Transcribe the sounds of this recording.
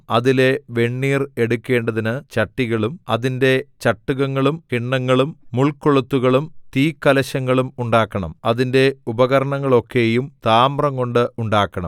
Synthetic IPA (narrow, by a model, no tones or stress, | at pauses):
ɐðile̞ʋe̞ɳːiːre̞ɽukʲːe̞ːɳɖɐðinɨt͡ɕɐʈːiɣɐɭumɐðinde̞t͡ɕɐʈːuɣɐŋːɐɭumkiɳːɐŋːɐɭumːuɭkːoɭut̪ːuɣɐɭumt̪iːkːɐlɐɕɐŋːɐɭumuɳɖaːkːɐɳɐ̰mɐðinde̞ubɐɣɐɾɐɳɐŋːɐɭo̞kːe̞jumt̪aːmrɐŋko̞ɳɖɨuɳɖaːkːɐɳɐ̰m